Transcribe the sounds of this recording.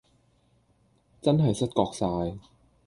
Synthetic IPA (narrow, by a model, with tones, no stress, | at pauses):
t͡sɐ˥nɦɐ˨˩jsɐ˥t̚kɔː˧k̚saː˧j